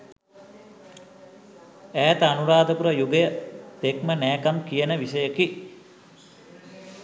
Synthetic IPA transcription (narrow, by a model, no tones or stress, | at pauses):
æːt̪anuɾaːd̪əpuɾəjuɡejət̪ekmənæːkamkijənəʋisəjəki